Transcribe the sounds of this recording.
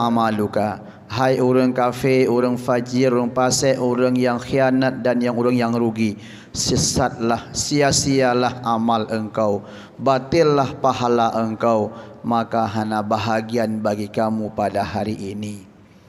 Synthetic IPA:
amaluka | ɦajuɾaŋkafeoɾaŋfad͡ʒɪɾuɾəŋpasɛʔoɾaŋjaŋxianat̪̚danjaŋuɾaŋjaŋɾuɡi | səsat̪̚lahsiasialahamaləŋkaw | bat̪ɪlːahpaɦalaʔəŋkawmakaɦanabaɦaɡianbaɡikamupadahaɾiʔːni

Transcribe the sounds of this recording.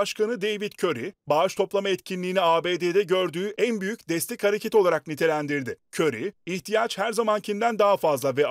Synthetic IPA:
aʃkanɯd̪e̞jvit̪cʰø̞ɾibaːʃt̪ʰo̞plˠamaɛt̪cʰinlʲiːniaːbeːd̪ed̪ɛɟø̞ɾd̪yːʔænbyjycd̪ɛst̪ʲɛchaɾe̞cʰet̪o̞lˠaɾak̚nit̪ʰe̞lʲænd̪iɾd̪ɪcʰøɾiiçt̪ʰijat͡ʃhæɾzamancʰind̪ænd̪aɦafazlˠavɛ

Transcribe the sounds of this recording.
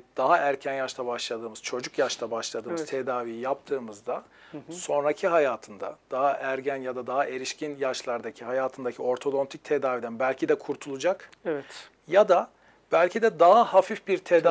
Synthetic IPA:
d̪̥aɦaʔæɾcʰænjaʃt̪ʰabaʃlˠad̪ɯːmɯz̥t͡ʃʰo̞d͡ʒukjaʃt̪ʰabaʃlˠad̪ɯːmz̥t̪ʰed̪aːvijijap̚t̪ʰɯːmɯzd̪a | so̞nɾacʰiɦajaːt̪ʰɯnd̪a̰d̪̥aɦaʔæɾɟænjad̪ad̪aɦaʔe̞ɾiʃcʰinjaʃlˠaɾd̪acʰiɦajaːt̪ʰɯnd̪acʰio̞ɾt̪ʰo̞d̪ont̪ʰic̚t̪ʰed̪aːvid̪ænbælʲcʰid̪ɛkʰuɾt̪ʰulˠud͡ʒakɛvɛt̪ | jad̪a | b̥ælʲcʰid̪ɛd̪aɦahafifbiɾt̪ʰed̪a

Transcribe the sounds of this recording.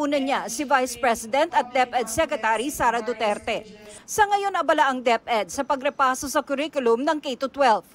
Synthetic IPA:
uːnɐɲasɪvajspɹɛsɪd̪ɛnt̪ɐt̪̚d̪ɛpɛd̪sɛkɾɛt̪aɾisaːɾɐd̪ʊt̪ɛɾt̪ɛsɐŋɐjo̞nɐbɐlaʔɐŋd̪ɛpɛd̪̚sɐpɐɡɾɛpaːso̞sɐkʊɾikʊlʊmnɐŋkejt̪ot̪wɛlv

